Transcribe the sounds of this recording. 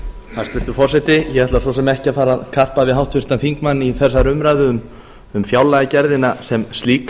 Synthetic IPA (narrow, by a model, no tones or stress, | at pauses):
hast̪vɪr̥t̪ʏ̥ɾfɔrsɛt̪ɪjɛɛt̪las̬ɔsɛmɛhcɪafaːɾaðkʰar̥pavɪðɦawht̪fʏr̥t̪anθiŋkmanːiθɛsːaɾʏmɾajðʏʏm | ʏmfjawlajacɛɾðɪnasɛmst̪liːk